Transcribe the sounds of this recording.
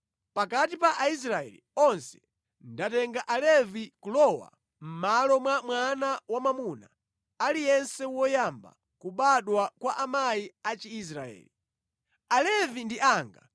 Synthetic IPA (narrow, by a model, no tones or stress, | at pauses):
pakatipaʔais̬ɾaɛ̰lḭɔnsɛ̥ | ndatɛŋɡaʔalɛvikulɔwa̰ | m̩malɔmwamwanawamamuna | alijɛnsɛwɔjamba̰ | kuɓaɗwakwaʔamajiat͡ʃiːs̬ɾaɛ̰ːli | alɛvindiʔaːŋɡa